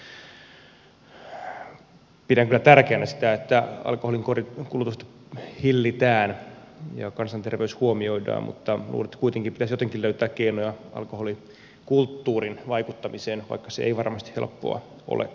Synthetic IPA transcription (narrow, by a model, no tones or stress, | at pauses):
pidæŋkylːˑæt̪ærkeːnæsi̥t̪æet̪ːæɑ̰lkoholiŋkorikulut̪ust̪ɑ̥hilːit̪æːn | jɑ̰kɑnsɑnt̪erʋeyshuomioidɑ̰ːmmʔṵt̪ːɑnṵːret̪ːkuit̪eŋkipit̪æsjot̪eŋkiløyt̪æːkkeinojɑɑ̰lkoholi | kult̪ːuːrinʋɑikut̪ːɑmiseːnʋɑ̰ikːɑseḛiʋɑrmɑst̪i̥helpːo̰ɑ̰ | ʔo̰lʔḛ